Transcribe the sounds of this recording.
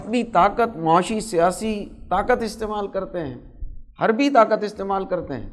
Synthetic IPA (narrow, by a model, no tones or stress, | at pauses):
bit̪aːkət̪maːʃisijaːsit̪aːkət̪ɪst̪eːmaːlkɐɾt̪eɦɛ̰̃ː | hɐɾbʱit̪aːkət̪ɪst̪eːmaːlkɐɾt̪ḛɦɛ̰̃ː